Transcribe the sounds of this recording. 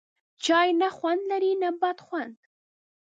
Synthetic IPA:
t͡ʃɑjnaxwand̪laɾinabat̪xwand̪

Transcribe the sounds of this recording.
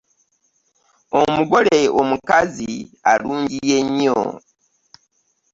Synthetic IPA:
omuɡo̞le̞omukazialuːɲɟijeɲo̰

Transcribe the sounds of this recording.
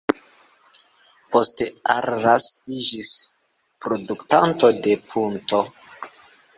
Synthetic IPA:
po̞steaɾɾasid͡ʒis | pɾoduktanto̞de̞pʰunto̞

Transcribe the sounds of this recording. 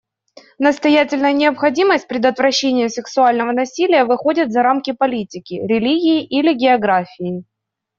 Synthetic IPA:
nəst̪ɐjætʲɪlʲnəjənʲɪɐpxɐdʲiməsʲt̚ʲpɾʲɪd̪ət̪vɾɐɕːenʲɪjʊsʲɪksʊalʲnəvənɐsʲilʲɪjəvɨxodʲɪt̪zɐɾamkʲɪpɐlʲitʲɪkʲɪɾʲɪlʲiɡʲɪːʔilʲɪɡʲɪɐɡɾafʲɪː

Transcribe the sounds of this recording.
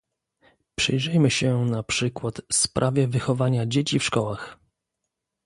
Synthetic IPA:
pʂɘ̰jʐɛjmɘɕɛnapʂɘkwat̪spɾʔavʲjɛvɘxɔvaɲad͡ʑet͡ɕifʂkɔwax

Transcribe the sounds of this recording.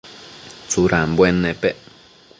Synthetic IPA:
t͡suɾambwenːẽpeʔ

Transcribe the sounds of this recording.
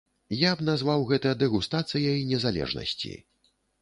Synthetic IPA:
jabnazvawɣɛt̪ɨjɐd̪ɛɣust̪at̪sɨjɐinʲɛzalʲɛ̰ʐnɐ̰sʲt͡sʲḭ

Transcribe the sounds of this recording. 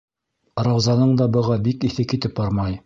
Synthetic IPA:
ɾɑwzɑnɤɴd̪ɑbɤ̆ʁɑbikiθɘkit̪ɘp̚bɑɾmɑj

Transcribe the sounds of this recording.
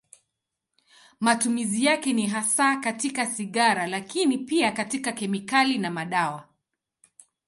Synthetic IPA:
matumizijakɛniɦasakatikasiɠaɾalakinipiakatikakɛmikalinamaɗawa

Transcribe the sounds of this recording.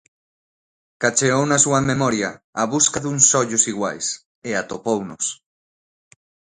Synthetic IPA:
kat͡ʃeownasuamemɔɾjaːβuskaðuŋsɔʎusiɣwajs | eat̪opownos

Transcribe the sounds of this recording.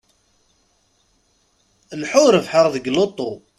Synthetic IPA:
nħʊɾəvħəʁðəɡlot̪ˤːo

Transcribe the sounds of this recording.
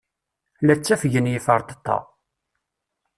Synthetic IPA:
læt͡sːæfəʝənjɪfəɾˤt̪ə̥t̪ˤːɑ̰

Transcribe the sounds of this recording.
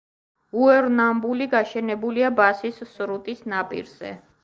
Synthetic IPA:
uɛɾnambuliɡaʃɛnɛbuliabasisːɾut̪ʼisnapʼḭɾz̥ɛ̰

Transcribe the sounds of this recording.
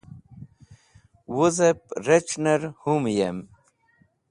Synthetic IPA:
wuzepɾet͡ʃnɐɾhumjḛm

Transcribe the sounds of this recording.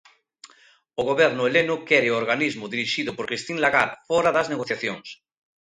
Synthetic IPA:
oɣoβeɾnʊelenokeɾeooɾɣanizmoðiɾiʃiðopoɾkɾist̪inlaɣaɾfoɾaðazneɣoθjaθjoŋs

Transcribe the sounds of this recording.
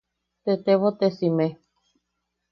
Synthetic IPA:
t̪et̪eʋot̪esĩme

